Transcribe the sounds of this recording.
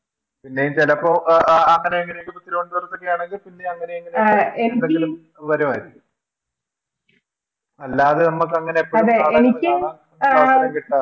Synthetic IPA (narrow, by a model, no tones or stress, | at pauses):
pinːejmt͡ɕelɐpːoɐŋːɐne̞eŋːɐnejokːɨput̪ːilɐkoɳɖɨʋɐrupːɐkːejaːɳe̞ŋɡilpinːe̞ɐŋːɐneeŋːɐnenkɐilum | ʋɐɾumaːjiɾikʲːum | ɐlːaːðɨnɐmːukːɐŋːɐneepːoɐðeːeɐnikʲːɨaɐɐkiʈːa